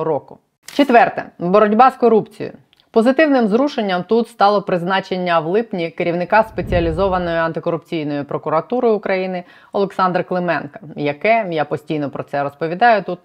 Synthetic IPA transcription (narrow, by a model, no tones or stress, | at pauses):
ɾɔkʊ | t͡ʃet̪ʋɛrt̪ɛ̰bɔɾɔdʲbɑskɔɾupt͡sʲḭjʊ̰ | pɔzɪt̪ɪwnɪmzɾuʃenʲːɐmt̪ut̪st̪ɑlˠɔpɾɪznɑt͡ʃenʲːɐwlˠɪpnʲikeɾʲiwnɪkɑspe̞t͡sʲiɐlʲizɔʋɐnɔjʊɐnt̪ɪkɔɾʊpt͡sʲijnɔjipɾɔkʊɾɐt̪uɾɪʊkɾɐjinɪ | ɔlˠeksɑnd̪rklˠɪmɛnkɐ̥jɐkɛjapɔsʲtʲijnɔpɾɔt̪sɛɾɔspɔʋʲid̪ɑjʊt̪ut̪̚